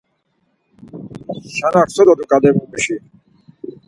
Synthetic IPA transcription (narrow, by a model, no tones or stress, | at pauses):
ʃanaksɔd̪ɔd̪ukʼad̪ɛbumiʃi